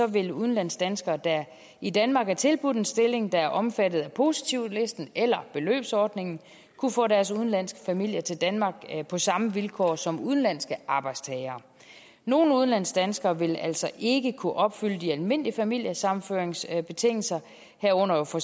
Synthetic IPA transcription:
sɒ̽ʋe̝luð̞̩ˠn̩læn̰sd̥ænsɡ̥ɐːd̥æ | id̥ænmɑ̈ːɡ̥æɐt͡sʰe̝lb̥ud̥ensd̥e̝le̝ŋd̥ɑ̈æɐʔɒ̽mfæd̥ð̩ˠæpʰo̝si̥t͡sʰiʊ̰le̝sd̥n̩elɐb̥e̝lø̰ːb̥sɒːd̥ne̝ŋn̩ | kʰufɔ̰̽ːdæɐsuð̞ˠn̩læn̰sɡ̥ə̥fæmil̰jɐt͡sʰe̝ld̥ænmɑ̈ːɡ̥pʰɒ̽sɑ̈məʋilkʰɒ̰ːsɒ̽muðˠn̩læn̰sɡ̥əʔɑ̈ːb̥ɑ̈ɪd̥st͡sʰɛɪɐː | no̝ːn̩uðˠnlæn̰sd̥ænsɡ̥ɐːʋe̝læl̰sɒ̽ʔe̝ɡ̥əkʰuʔɒ̽b̥fyl̰əd̥iælme̝n̰liəfæmil̰jɐsɑ̈mn̩føːɐeŋsb̥e̝t͡sʰe̝ŋ̰l̩sɐ | hæɐɔ̽n̰ɐfɒ

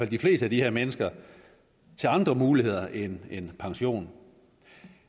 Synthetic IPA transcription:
fæl̰d̥ifle̝ːsd̥æd̥iheɐ̰menəsɡ̥ɐ | t͡sʰe̝lɑ̈nd̥ʁɐmuːlihe̝ð̞̰ˠɐʔenenpʰɑ̈ŋɕo̝̰ːn

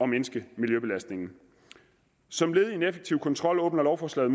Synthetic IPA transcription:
ɒ̽menəsɡ̥əmiljøb̥e̝læsd̥ne̝ŋn̩ | sɒ̽mle̝ːð̩ˠie̝nefəɡ̥̚t͡sʰiʊkʰɒnt͡sʰʁɒ̽l̰ɔ̽ːb̥nɐlɒʊfɒːslɛ̰ːð̩ˠm

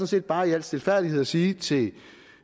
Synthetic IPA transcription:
nse̝̰ːd̥̚b̥ɑ̈ːiæl̰̥sd̥e̝lfæɐ̰d̥ihe̝ð̰ˠɐsiːt͡sʰe̝

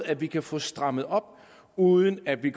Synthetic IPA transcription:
æ̥ʋikʰæfɔ̽ːsd̥ʁɑ̈məð̩ˠɒ̽b̥ | uːðˠənæd̥ʋiɡ

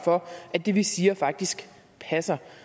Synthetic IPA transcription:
fɒ̽ʔæd̥e̝ʋisiːɐfɑ̈ɡ̥̚d̥isɡ̥ | pʰæsɐ

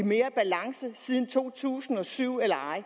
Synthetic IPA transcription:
me̝ːɐb̥ælɑ̈ŋsəsiðˠn̩t͡sʰo̝̰ːt͡sʰṵːsn̩ɒ̽syʊ̰elɐɑ̈ɪ̰

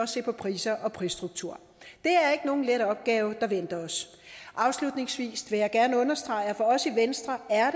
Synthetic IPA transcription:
ɒse̝̰ːpʰɒ̽pʰʁiːsɐʔɒ̽pʰʁiːsd̥ʁuɡ̥̚t͡sʰuɐ̰ | d̥e̝æɐe̝ɡ̥əno̝ːn̩leɾɒ̽b̥̚ɡ̥ɛːʊd̥ɑ̈ʋen̰d̥ɐɒ̽s | ʔɑ̈ʊslud̥ne̝ŋsʋḭːsʋe̝jɑ̈ɪɡ̥æɐnəɔ̽nɐsd̥ʁɑ̈ɪɐfɒ̽ɒ̽siʋensd̥ʁɐæɐd

